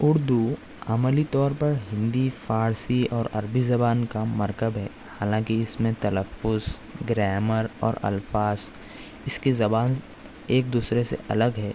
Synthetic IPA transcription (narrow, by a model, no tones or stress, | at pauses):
ʊɾd̪u | amlit̪ɔːɾpɐɾɦɪ̃nd̪ifaːɾsiɔːɾɐɾbizɐbaːnkamɐɾk̪əbɦɛː | haːlãːkiɪsmẽt̪ɐləfːʊz | ɡɾɛːməɾɔ̰ːɾɐ̰lfaːz | ɪskezɐbaːn | eːk̚d̪uːsɾesḛʔɐ̰ləɡɦɛː